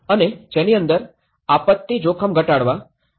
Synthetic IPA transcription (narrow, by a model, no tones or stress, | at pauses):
əned͡ʒeniənd̪əɾ | apət̪ːid͡ʒokʰəmɡʱəʈaɽʋa